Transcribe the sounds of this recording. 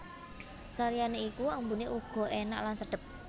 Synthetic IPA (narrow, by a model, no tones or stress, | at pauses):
saɾijaneikuambuneʔuɡ̥ɔ̤ʔena̰ʔlansəɖ̥ə̤p̚